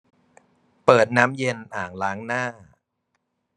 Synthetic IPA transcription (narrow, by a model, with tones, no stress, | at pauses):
pɤː˨˩t̪̚naː˦˥mje˧nʔaː˨˩ŋlaː˦˥ŋnaː˥˩